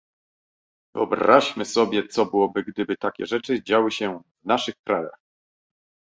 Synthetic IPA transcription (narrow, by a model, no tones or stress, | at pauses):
vɘ̰ɔbɾaʂmɘsɔbʲjɛt̪sɔbɘwɔbɘɡd̪ɘbɘt̪akʲɛ̰ʐɛt͡ʂɘd͡ʑawɘɕɛvnaʂɘxkɾaja̰x